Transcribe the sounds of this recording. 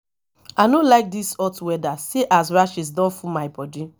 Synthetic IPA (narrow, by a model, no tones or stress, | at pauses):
anolaɪk̚disɔtwɛdaseʔaswaʃis̬dɔ̃nfumaɪbɔdi